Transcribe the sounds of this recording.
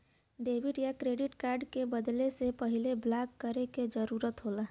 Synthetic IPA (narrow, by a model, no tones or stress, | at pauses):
ɖeːʋɪɖjakɾeːɖɪʈkaːɾɖkebəd̪lesepɐɦɪleblaːkːəɾeked͡ʒəɾuːɾət̪ɦolaː